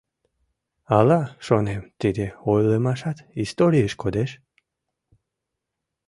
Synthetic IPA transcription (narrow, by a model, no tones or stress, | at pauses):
alaʃonemt̪id̪eojlemaʃat̪ist̪oɾiəʃkʰod̪eʃ